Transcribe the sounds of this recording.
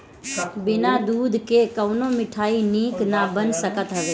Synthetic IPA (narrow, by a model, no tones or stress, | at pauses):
bɪnad̪uːd̪ʱkekəʊnõmɪʈʰaːiniːknabənsəkət̪ɦəʋeː